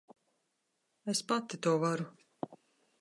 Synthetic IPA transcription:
espat̪it̪uɔvaɾu

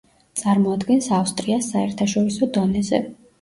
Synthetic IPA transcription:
t̪sʼaɾmɔad̪ɡɛnsafst̪ʼɾiasːaɛɾt̪ʰaʃɔɾisɔd̪ɔnɛzɛ̰

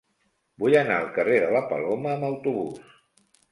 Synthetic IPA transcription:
bujənaəlˠkəreðələpə̰loməːməwt̪uβus

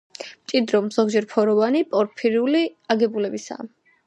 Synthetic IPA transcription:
mt͡ʃʼid̪ɾɔmz̥ɔɡd͡ʒɛɾpʰɔɾɔvanipʼɔɾpʰiɾiuliaɡɛbulɛbisa̰ː

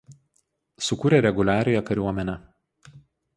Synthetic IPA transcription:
sʊkuːɾʲeːˑɾʲɛɡʊlʲæːɾʲɪjɛkɐɾʲuɔmʲɛnʲɛ

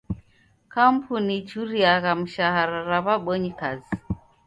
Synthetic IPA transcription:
kam̩pʰunit͡ʃuɾiaɣam̩ʃaɦaɾaɾaβaɓɔɲikazi

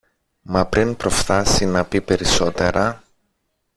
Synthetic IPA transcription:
mɐpɾʔinpɾo̞fθɐsinɐpipe̞ɾiso̞t̪e̞ɾɐ

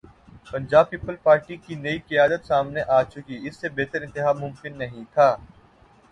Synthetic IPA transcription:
pɐ̃nd͡ʒaːb̚pipːəlpaːɾʈikinɐikɪjaːd̪ət̪saːmneʔaːt͡ʃʊkiɪsːebeːt̪əɾɪ̃nt̪ɪɦaːmʊ̃mkɪnːɐɦĩt̪ʰaː

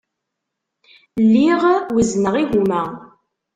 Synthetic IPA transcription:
lːiʁwiznəʁiʝumæ

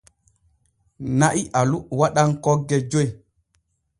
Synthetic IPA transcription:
naʔiʔaluwaɗaŋkɔɡːɛd͡ʒoj

